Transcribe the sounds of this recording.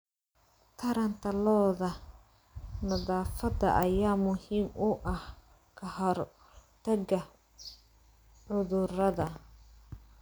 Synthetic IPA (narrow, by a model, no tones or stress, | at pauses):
t̪ʰɐɾɐnt̪ʰɐlɔːðɐ | nɐðaːfɐd̪ɐ̰ʔɐjaːmʊhiːmʊʔɐh | kʰɐhɔr | t̪ʰɐɣɐ | ʕʊðʊrɐðɐ